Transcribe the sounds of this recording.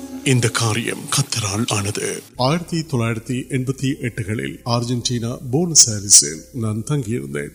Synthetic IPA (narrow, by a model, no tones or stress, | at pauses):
ɪnd̪ɐkaːɾɪjɐ̰mkɐt̪ːɐɾaːɭaːnɐðɯ̰aːjɪɾɐt̪ːit̪ɔɭːaːjɪɾɐt̪ːiʔɛnbɐt̪ːiʔɛʈːɯɣɐɭɪ̰laːɾd͡ʒɐnʈiːnɐboːnsɐɾʋɪsɪ̰lnaːnt̪ɐŋɡɪjɪɾɯ̰nd̪ḛːn